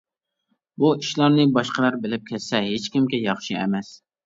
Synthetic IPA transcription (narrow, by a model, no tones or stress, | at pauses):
buiʃlˠɑɾnɪbɑʃqəlˠɑɾbɪlɪp̚kʲʰɛssɛɦet͡ʃkʲɪmkʲɛjɑχʃiɛ̰mɛs